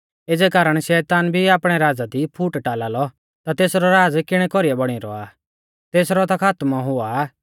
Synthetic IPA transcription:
ed͡zɛkaːɾəɽ̃ʃɛːt̪aːnbʱiaːpɽ̃ɛɾaːd͡zad̪ipʰuːʈʈaːlaːlɔ | t̪at̪eːsɾɔɾaːd͡zkɪɽ̃ɛkɔɾiɛbɔɽ̃iɾɔ̰a̰ː | t̪eːsɾɔt̪akʰaːt̪maɦʊa

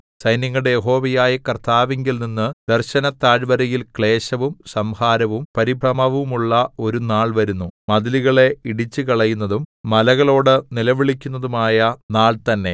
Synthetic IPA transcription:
sɐjnjɐŋːɐɽejeɦo̞ːʋɐjaːjɐkɐrt̪ʰaːʋeŋɡilninːɨd̪̥ɐrɕɐnɐt̪ːaːɻʋɐɾɐjilkɭe̞ːɕɐʋumsɐmhaːɾɐʋumpɐɾibʱɐmɐʋumuɭːɐo̞ɾunaːɭʋɐɾunːumɐðiliɣɐɭe̞iɽit͡ɕːɨkɐɭɐjunːɐðumːɐlɐɣɐɭo̞ːɽɨnilɐʋiɭikʲːunːɐðumaːjɐnaːɭt̪ɐnːe̞

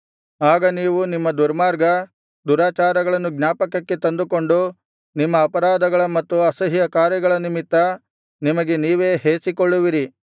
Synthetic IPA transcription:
aːɡɐniːʋunimːɐd̪uɾmaːɾɡɐ | d̪uɾaːt͡ʃaːɾɐɡɐɭɐnːuɡnaːpɐkːɐkːe̞t̪ɐnd̪uko̞ɳɖu | nimːɐːpɐɾaːd̪ɐɡɐɭɐmɐt̪ːuɐsɐɦijɐkaːɾjɐɡɐɭɐnimit̪ːɐ | nimɐɡe̞niːʋe̞ːɦeːsikoɭːuʋiɾi

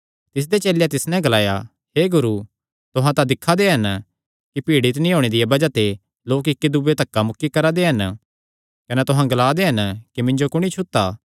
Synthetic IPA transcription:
t̪ɪs̬d̪et͡ʃeːljat̪ɪsnɛ̃ɡɐlaːja | heːɡʊɾu | t̪ʊɦãt̪ad̪ɪkʰːad̪eɦɐn | kipiːɽit̪nĩɦoːɽ̃ed̪ɪjabɐd͡ʒat̪e | loːkɪkːid̪ʊbet̪ɐkːamʊkːikɐɾad̪eɦɐn | kɐnɛt̪ʊɦãɡɐlaːd̪eɦɐnkimɪ̃ɲd͡ʒokʊɽ̃it͡ʃʰʊt̪ːaː

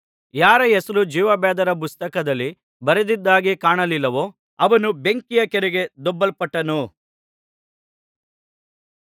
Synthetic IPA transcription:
jaːɾɐesɐɾud͡ʒiːʋɐbɛːd̪ɐɾɐp̬ust̪ɐkɐd̪ɐlːi | bɐɾed̪id̪ːaːɡekaːɳɐlilːɐʋo | ɐʋɐnube̞ŋkijɐkɛɾeɡe̞d̪ɔbːɐlpɐʈːɐnu

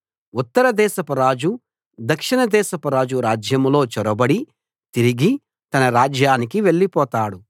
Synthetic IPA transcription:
ut̪ːɐɾɐd̪ɛːʃɐpɐɾaːd͡ʒu | d̪ɐkʂiɳɐd̪ɛːʃɐpɐɾaːd͡ʒuɾaːd͡ʒjɐmlo̞ːt͡ʃɔɾɐbɐɽi | t̪iɾiɡi | t̪ɐnɐɾaːd͡ʒjaːnikiʋe̞ɭːipɔːt̪aːɽu

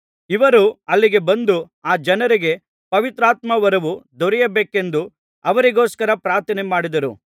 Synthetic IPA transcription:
iʋɐɾuɐlːiɡe̞bɐnd̪u | aːd͡ʒɐnɐɾiɡe̞ | pɐʋit̪ɾaːt̪mɐʋɐɾɐʋud̪ɔɾɛjɐbeːke̞nd̪u | ɐʋɐɾiɡoːskɐɾɐpɾaːɾt̪ʰɐnemaːɽid̪ɐɾu

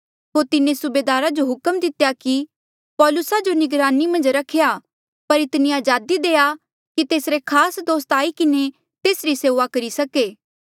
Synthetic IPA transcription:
ɦoːɾt̪ɪnẽsʊbeːd̪aːɾad͡ʒoɦʊkəmd̪ɪt̪jaki | pɔːlʊsad͡ʒonɪɡɾaːnimɐ̃nd͡ʒɾɐkʰeja | pɐɾɪt̪niaːd͡ʒaːd̪id̪eːa | kit̪eːsɾekʰaːsd̪oːst̪aːikɪne | t̪eːsɾiseːʋakɐɾisɐkeː

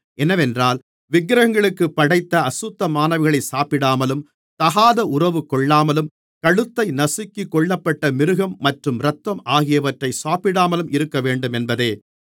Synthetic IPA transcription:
ʔɛnɐʋɛndraːl | ʋɪɡɾɐɣɐŋɡɐɭɯkːɯpːɐɽɐɪt̪ːɐɐsʊt̪ːɐmaːnɐʋɪɣɐɭɐɪsaːpɪɽaːmɐlɯm | t̪ɐɣaːðɐʔʊrɐʋɯkːɔɭːaːmɐlɯm | kɐɽɯt̪ːɐɪnɐsɪkːɪkːɔɭːɐpːɐʈːɐmɪɾɯɣɐmːɐʈrɯmɾɐt̪ːʋɐmaːɣɪjɐʋɐʈrɐɪsaːpɪɽaːmɐlɯmɪɾɯkːɐʋeːɳɖɯmɛnbɐðeː

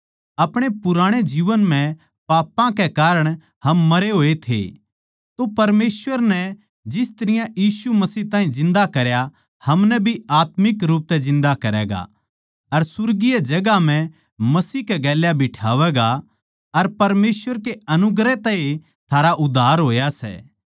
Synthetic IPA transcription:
ɐpɽ̃epʊɾaːɽ̃ed͡ʒiːʋənm̤ɛ̃ | paːpãkɛkaːɾəɽ̃ | hɐmːɐɾeɦoːet̪ʰḛ | t̪opɐɾmeːsʋəɾnɛ | d͡ʒɪst̪ɐɾɪjãjiːsumɐsiːɦt̪ãːĩzɪ̃nd̪akɐɾja | hɐmnɛbʱiaːt̪mɪkɾuːp̚t̪ɛd͡ʒɪ̃nd̪akɐɾɛ̰ːɡa̰ | ɐɾsʊɾɡijed͡ʒɐɡam̤ɛ̃ | mɐsiːkɛɡɛːljabʱiʈʰaːʋɛːɡa | ɐɾpɐɾmeːsʋəɾkeɐnʊɡɾɛt̪ɛe | t̪ʰaːɾaʔʊd̪ʱːaːɾɦoːjasɛ̰ː

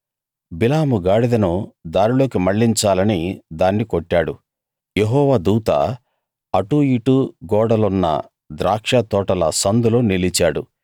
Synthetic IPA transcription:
bilaːmuɡaːɽid̪ɐnud̪aːɾilo̞ːkimɐɭːiɲt͡ʃaːlɐnid̪aːnːikoʈːaːɽu | jeɦɔːʋaːd̪uːt̪ɐ̰ | ɐʈuiʈuɡɔːɽɐlunːɐ̰ | d̪ɾaːkʂat̪ɔːʈɐlɐsɐnd̪uloːnilit͡ʃaːɽu

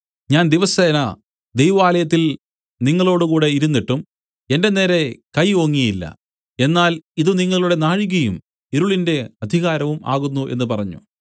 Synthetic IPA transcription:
ɲaːnd̪iʋɐseːnɐ | d̪ejʋɐʋaːlɐjɐt̪̬ːil | niŋːɐɭo̞ːɽukuːɽe̞iɾunːiʈːum | e̞nde̞ne̞ːɾe̞kɐjoːŋːijilːɐ̰ | e̞nːaːliðuniŋːɐɭuɽe̞naːɻiɣɐjum | eɾuɭinde̞ɐd̪ʱiɣaːɾɐʋuma̰ːɣunːuʔe̞̰nːɨpɐrɐɲːṵ

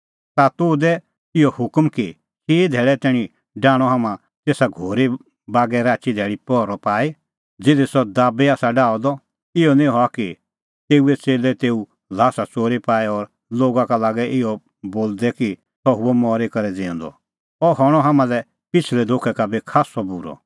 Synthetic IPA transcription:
t̪at̪ʊːd̪ɛ | ɪɔhʊkmki | sid̪ʱɛːɭɛt̪ɛːɽ̃ĩ | ɖaːɽ̃ɔɦaːmã | t̪eːsaɡʱoːɾi | baːɡɛɾaːt͡ʃid̪ʱɛːɭipɔːɾɔpaːi | d͡zɪd̪esɔd̪aːbeaːsaɖaːɔd̪ɔ | ɪɔnĩɦɔaki | t̪eːuɛt͡seːlɛt̪eːu | laːsat͡soːɾipaːeɔɾ | loːɡãkalaːɡɛʔɪɔ | boːld̪ɛki | sɔɦʊɛmɔːɾekɐɾɛd͡zẽɔ̃nd̪ɔ̰ | ɔɦɔɽ̃ɔɦaːmãlɛ | pɪt͡ʃʰlɛd̪ʱokʰɛkabikʰaːsɔbuɾɔ̰

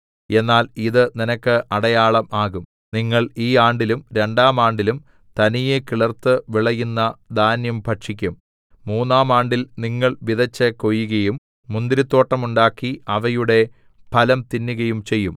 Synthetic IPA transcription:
e̞nːaːliðɨninɐkːɨʔɐɽɐjaːɭɐmaːɣum | niŋːɐɭiːaːɳɖilumɾe̞ɳɖaːmaːɳɖilum | t̪ɐnijekiɭɐrt̪ːɨʋiɭɐjunːɐd̪ʱaːnjɐmpʰɐʈʂikʲːumː | uːnːaːmaːɳɖilniŋːɐɭʋiðɐt͡ɕːɐko̞jːuɣɐjumː | und̪iɾit̪ːo̞ːʈːɐmuɳɖaːkːiɐʋɐjuɽe̞ | pʰɐlɐmt̪inːuɣɐjumt͡ɕe̞jːum

